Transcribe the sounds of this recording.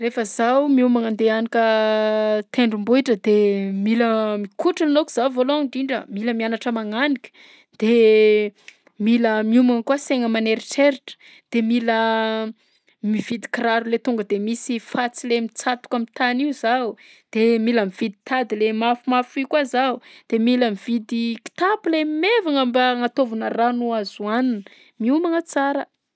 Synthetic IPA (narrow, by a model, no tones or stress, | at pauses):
refəzawmiumaŋand̪eanikə | t̪ʰeɳɖ͡ʐumbuiʈ͡ʂəd̪emiləmikʰuʈ͡ʂilinokuiz̥avoloaŋɳɖ͡ʐiɳɖ͡ʐə̰miləmianaʈ͡ʂəmaŋanikʲə̥ | d̪̥e | miləmiumaŋkuaseŋəmaneɾiʈ͡ʂeɾiʈ͡ʂə̥ | d̪̥emilə | mivid̪i̥kraɾulet̪uŋɡəd̪emisifat͡silemit͡sat̪u̥kamit̪aniuzau | d̪̥emiləmiv̥id̪it̪ad̪ilemafumafikazaud̪̥emiləmiv̥id̪iki̥t̪apulemevaŋəmbaŋat̪ovunəranuazuanin | miumaŋət͡saɾə